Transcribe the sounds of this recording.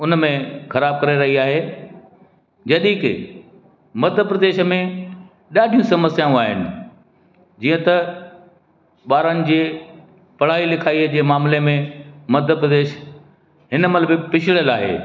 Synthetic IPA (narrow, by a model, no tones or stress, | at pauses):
ʊnmẽxɐɾaːb̚kɐɾeɾɐɦiaːɦe | d͡ʑɐɗĩkɪ̰ | mɐd̪ʱəpɾɐd̪eːʃə̆mẽ | ɗaːɖʱijũsɐməsjaːũaːɦɪ̰nɪ̆ | d͡ʑiːə̃t̪ɐ | ɓaːɾənɪ̆d͡ʑeː | pɐɽ̤aːilɪkʰaːid͡ʑeːmaːmlemẽmɐd̪ʱəpɾəd̪eːʃ | ɦɪnəmɐləbɪpɪt͡ɕʰɪɭjəlaːɦḛː